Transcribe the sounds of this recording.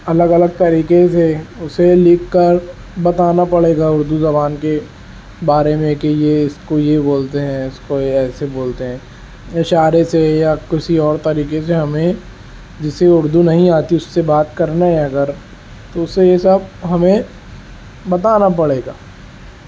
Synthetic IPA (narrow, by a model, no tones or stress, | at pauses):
ɐləɡɐləɡ̚t̪ɐɾiːkeseʊselɪkːəɾ | bɐt̪aːnapɐɽeːɡaʊɾd̪uzɐbaːnke | baːɾemẽkijeɪskojeboːlt̪eɦɛ̃ʊskoɛːseboːlt̪eɦɛ̃ː | ɪʃaːɾesejakɪsiɔːɾt̪ɐɾiːkeseɦɐmẽ | d͡ʒɪseʊɾd̪unɐɦĩaːt̪iʊsːebaːt̪kɐɾnaɦɛɐɡəɾ | t̪oʊsejesəb̚ɦɐmẽ | bɐt̪aːnap̬ɐɽeːɡaː